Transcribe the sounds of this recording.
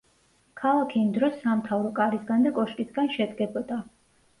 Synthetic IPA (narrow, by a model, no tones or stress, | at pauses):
kʰalˠakʰiːmd̪ɾɔsːamt̪ʰavɾɔkʼaɾisɡand̪akʼɔʃkʼisɡanʃɛd̪ɡɛbɔd̪a